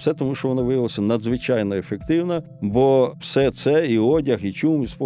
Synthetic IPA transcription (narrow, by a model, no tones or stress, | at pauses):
sɛt̪ɔmuʃt͡ʃɔʋɔnɔʋɪjʋɪlˠɐsʲɐnɐd̪zʋɪt͡ʃajnɔefekt̪ɪwnɐ | bɔwsɛt̪sɛiɔdʲɐxit͡ʃumispɔ